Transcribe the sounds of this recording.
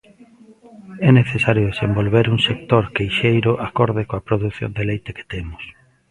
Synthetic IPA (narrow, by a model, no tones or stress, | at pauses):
ɛneθesaɾjʊðesembolβeɾuŋsek̚t̪oɾkejʃejɾʊʔakoɾðɪkoapɾoðuθjo̰nd̪elejt̪eke̥t̪emʊs